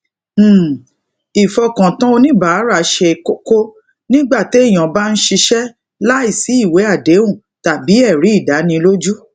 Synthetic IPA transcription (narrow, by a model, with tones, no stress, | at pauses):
i˨fɔ˧kã˨tã˦o˧nĩ˦ba˨˦ɾa˦˨˦ʃe˧ko˦ko˦ | nĩ˦ɡ͡ba˦˨te˨˦i˦˨j̃ã˨ba˦n̩˦ʃi˧ʃɛ˦ | la˦i˦˨si˨˦i˦˨we˨˦a˦˨de˨˦ũ˦˨ | ta˨bi˨˦ɛ˦˨ɾi˨˦i˦˨da˨˦nĩ˧lo˦d͡ʒu˦